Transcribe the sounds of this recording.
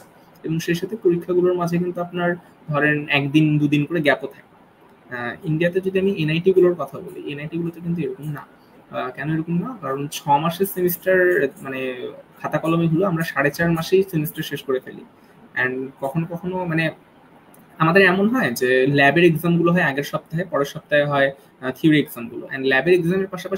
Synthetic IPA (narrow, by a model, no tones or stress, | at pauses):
eboŋʃeʃat̪ʰepoɾikʰːaɡuloɾmad͡ʑʱek̬int̪uapnaɾ | d̪ʱɔɾenɛkd̪ind̪ud̪inkoɾeɡɛpot̪ʰak | iɳɖiat̪ed͡ʑod̪iamiʔenajʈiɡuloɾkɔt̪ʰabolḛenajʈiɡulot̪ekint̪̬ueɾokomna̰ | kɛnoeɾokomnakaɾont͡ɕʰɔmaʃeɾsemisʈaɾmanekʰat̪akɔlomiɦuloamɾaʃaɽet͡ɕaɾmaʃejsinisʈaɾʃeʃkoɾefʰelḭ | ɛ̰nkɔkʰonokɔkʰonomane | amad̪eɾɛmonɦɔed͡ʑelɛbeɾeɡzamɡuloɦɔeaɡeɾʃɔp̚t̪aɦepɔɾeɾʃɔp̚t̪aeɦɔe | t̪ʰiuɾieɡzamɡulo̰ʔɛ̰nlɛbeɾeɡzameɾpaʃapaʃi